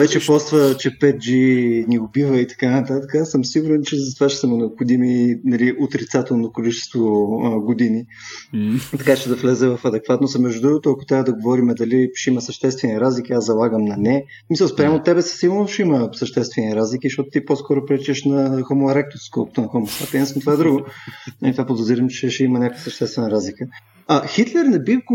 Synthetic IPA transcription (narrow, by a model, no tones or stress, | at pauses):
vɛt͡ʃɛpɔsvət͡ʃɛpɛt̪̚d͡ʒiniʊbivəit̪ɐ̥kanɐt̪at̪əkəasəmsiɡuɾɛnt͡ʃɛzɐt̪ovat͡ʃɛ̥səmɛnɛoʊpxod̪iminɐliʔot̪ɾit̪sat̪onokolit͡ʃɛ̥st̪voɡʊd̪ini | t̪ɐkat͡ʃɛd̪ɐflɛzɛvɐfɐd̪ɛkvat̪nosəmɛʒd̪ʊd̪ɾuɡot̪oɐkʊ̥t̪ɾʲavəd̪ɐɡovɔɾimɛd̪ɐliʃɛimɐsəʃt̪ɛst̪vɛniɾazlik̟iazːɐlˠaɡəmnɐnɛ | smisəlˠspɾʲamʊt̪ːɛbɛsə̥silˠnoʃɛiməsɐʃt̪ɛst̪vɛniɾazlikiʃtɔt̪ʊ̥t̪iposkɔɾʊpɾɛt͡ʃɛʃnɐxomoɾɛk̚t̪oskɔlˠkʊ̥t̪oɛnxɔmosat̪ɛd̪ɛsəmt̪ovaɛd̪ɾuɡʊnɐlit̪vapod̪oziɾəmt͡ʃɛʃɛimənʲakovəsəʃt̪ɛst̪vɛnəɾazlikə | axit̪lɛɾnɛbik